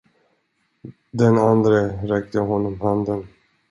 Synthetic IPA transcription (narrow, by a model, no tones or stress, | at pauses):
d̪ɛnand̪ɾəɾɛk̚t̪əɦɔnːɔmhand̪ən